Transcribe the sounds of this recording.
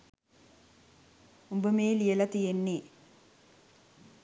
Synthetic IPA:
umbəmeːlijelɐt̪ijenːeː

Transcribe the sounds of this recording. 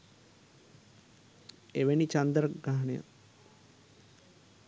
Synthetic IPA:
eʋenit͡ʃand̪ɾəɡɾaɦɐnəjə̰

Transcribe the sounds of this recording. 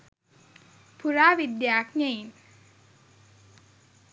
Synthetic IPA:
pʰuɾaʋid̪jak̚ɲəin

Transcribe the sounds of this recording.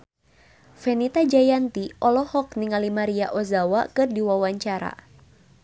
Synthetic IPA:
fɛnit̪ad͡ʒajant̪iʔɔlɔhɔk̚niŋalimaɾiaʔɔzawa̰kɨrdiwawaɲt͡ʃaɾa̰

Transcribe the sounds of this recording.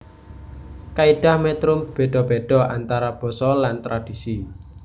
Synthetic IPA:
kaiɖ̥a̤hmɛt̪ɾʊmb̥e̤ɖ̥ɔ̤b̥eɖ̥ɔ̤ant̪aɾab̥ɔ̤sɔlant̪ɾad̥i̤si

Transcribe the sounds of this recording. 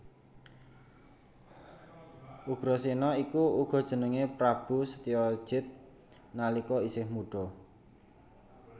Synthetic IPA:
ʔuɡ̥ɾɔsinɔikuuɡ̥ɔ̤d̥ʒ̥ə̤nəŋepɾab̥ṳsə̥t̪iɔ̥ʒ̥ɪt̪̚ | nalikɔisɪhmuɖ̥ɔ

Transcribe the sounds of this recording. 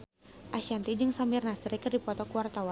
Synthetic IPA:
ʔaʃant̪id͡ʒɨŋsamirnasɾikɨrdipɔt̪ɔkuwart̪awa

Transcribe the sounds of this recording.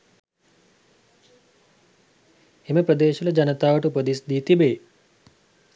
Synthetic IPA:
eməpɾəd̪eːʃuləd͡ʒanət̪aːʋəʈuupəd̪isd̪iːt̪ibeː

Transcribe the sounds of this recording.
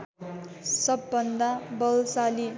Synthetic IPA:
sʌbːʌnd̪abʌlsali

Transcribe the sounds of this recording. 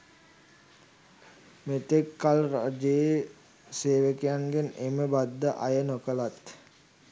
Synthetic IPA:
met̪ekːalrad͡ʒe | seːʋəkejaŋɡeneməbad̪ːəʔajənokəlat̪

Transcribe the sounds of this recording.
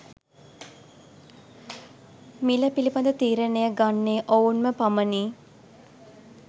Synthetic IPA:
miləpilipɐnd̪ət̪iːɾənejəɡanːeːʔounməpaməniː

